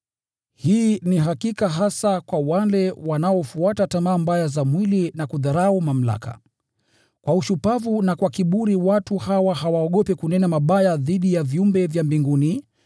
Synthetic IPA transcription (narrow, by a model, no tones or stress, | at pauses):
hiːniɦakikaɦasakwawalɛwanaɔfuatatamaːmbajazamwilinakuðaɾaumam̩la̰ka̰ | kwauʃupavunakwakiɓuɾiwatuhawahawaɔɠɔpɛkunɛnamaɓajaðiɗijaviumbɛvjambiŋɡuni